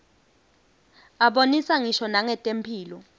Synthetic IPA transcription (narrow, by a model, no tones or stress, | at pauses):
aɓonisaŋiʃɔnaŋɛtʼempʰiːlɔ